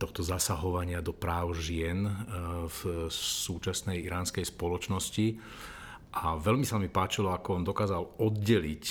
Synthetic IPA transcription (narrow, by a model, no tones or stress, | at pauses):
t̪ɔxt̪ɔzasaɦɔʋaɲɪad̪ɔpɾaːʊʒɪɛnfsuːt͡ʃasnɛjiɾaːnskɛjspɔlɔt͡ʃnɔsci | ʔaʋɛlmisamipaːt͡ʃilɔakɔɔnd̪ɔkaːzalɔd̪̚ɟɛlic